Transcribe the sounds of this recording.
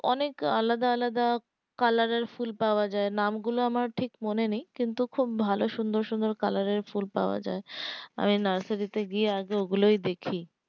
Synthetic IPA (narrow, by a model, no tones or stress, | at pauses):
ɔneka̰lːad̪aalad̪a | kalaɾeɾfulpaoad͡ʑaenamɡuloamaɾʈʰikmonenijkint̪ukʰubːʱaloʃund̪oɾʃund̪oɾkalaɾeɾfulpa̰oa̰d͡ʑa̰ea̰minaɾsaɾit̪eɡieaɡeoɡulojd̪ekʰi